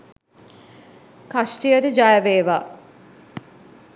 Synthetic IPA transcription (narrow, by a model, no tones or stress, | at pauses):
kasʈijəɾəd͡ʒajɐʋeːʋaː